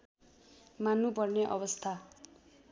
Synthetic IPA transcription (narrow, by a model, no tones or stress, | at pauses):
manːupʌrneʔʌ̰bʌst̪ʰa